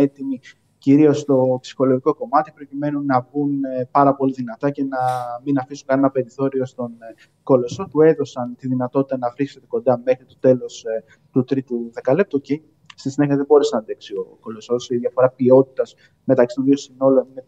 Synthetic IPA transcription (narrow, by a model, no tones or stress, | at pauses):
et̪imi | ciɾio̞st̪o̞psi̥xo̞loʝiko̞ko̞mɐt̪ipɾo̞cime̞nunːɐvunpɐɾɐpo̞liðinɐt̪ɐce̞nɐminɐfisunkɐne̞nɐpe̞ɾiθo̞ɾio̞st̪o̞n | ko̞lo̞sopue̞ðo̞sɐnt̪iðinɐt̪o̞t̪it̪ɐnɐfɾisse̞t̪e̞ko̞nd̪ɐme̞xɾit̪o̞t̪e̞lo̞s | t̪ut̪ɾit̪uðekɐlep̚t̪uci | st̪isineçiɐðebo̞ɾesenɐðeksio̞̰ko̞lo̞so̞siðʝɐfo̞ɾɐpio̞t̪i̥t̪ɐz̥ | me̞t̪ɐksi̥t̪o̞nðio̞sino̞lo̞nine